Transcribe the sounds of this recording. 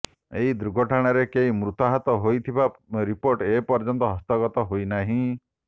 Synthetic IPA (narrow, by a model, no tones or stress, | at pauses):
eɦid̪ɾuɡʱɔʈʰaɽ̃ɔɾekeɦimɾut̪aɦɔt̪ɔɦojt̪ʰibaɾipoɾʈepɔɾd͡ʒɔnt̪ɔɦɔst̪ɔɡɔt̪ɔɦojnaɦĩ